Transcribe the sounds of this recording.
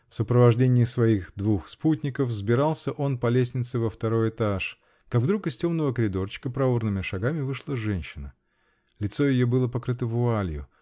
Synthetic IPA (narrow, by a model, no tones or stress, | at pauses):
fsəpɾəvɐʐdʲenʲɪːsvɐixd̪vuxsputʲnʲɪkəfzbʲɪɾɑlˠsʲəʔo̞npɐlʲesʲnʲɪt̪sɨvəft̪ɐɾo̞jɪt̪aʂ | kaɡvd̪ɾukɨstʲo̞mnəvəkəɾʲɪd̪o̞rt͡ɕɪ̥kəpɾɐurnɨmʲɪʂɐɡamʲɪvɨʂlˠəʐɛnʲɕːɪnə | lʲɪt̪sojɪjobɨlˠəpɐkɾɨt̪əvʊalʲjʊ̰